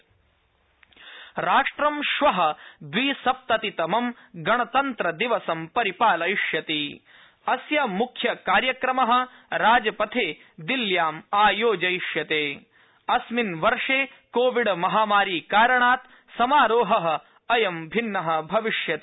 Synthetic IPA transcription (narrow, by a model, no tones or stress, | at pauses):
ɾaːʂʈɾɐmʃʋɐɦɐ̆d̪ʋiːsɐp̚t̪ɐt̪it̪ɐmɐm | ɡɐɳɐt̪ɐnt̪ɾɐd̪iʋɐsɐmpɐɾipaːlɐjiʂjɐt̪i | ɐsjɐmukʰjɐkaːɾjɐkɾɐmɐɦɐ̆ | ɾaːd͡ʒɐpɐt̪ʰeː | d̪iljaːmaːjoːd͡ʒɐjʃjɐt̪eː | ɐsminʋɐɾʂeː | koːʋiɖmɐɦaːmaːɾiːkaːɾɐɳaːt̪ | sɐmaːɾoːɦɐɦɐ̆ | ɐjɐmbʱinːɐɦɐ̆bʱɐʋiʂjɐt̪i